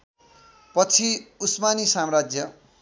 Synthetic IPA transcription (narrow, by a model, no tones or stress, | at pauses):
pʌt͡sʰiusmanisamrad͡zjʌ